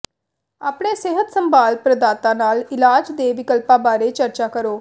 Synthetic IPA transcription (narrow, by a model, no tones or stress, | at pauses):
aːpɽeːseɦət̪səmbaːlpɾəd̪aːt̪ãːnaːlɪlaːd͡ʒd̪eːʋɪkəlpãːbaːɾeːt͡ʃəɾt͡ʃaːkəɾoː